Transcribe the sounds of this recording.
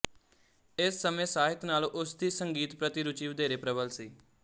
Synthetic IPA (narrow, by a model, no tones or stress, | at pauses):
ɪsːəmẽːsaːɦɪt̪naːlʔʊsd̪iːsəŋɡiːt̪pɾət̪iɾʊt͡ʃiːʋəd̪eːɾeːpɾəbəlsiː